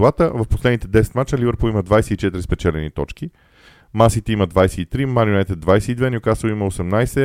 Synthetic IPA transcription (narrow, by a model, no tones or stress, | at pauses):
lˠat̪əvɐfposlɛd̪nit̪ɛd̪ɛsɛ̥t̪mat͡ʃ̪əlʲivəɾpoiməd̪vajsɛit͡ʃɛt̪iɾispɛt͡ʃɛlɛnit̪ɔt͡ʃki | masit̪ɛiməd̪vajsɛit̪ɾimaɾʲjunajt̪ɛd̪̚vajsɛid̪vɛniʊkasiməosɛmnajsɛ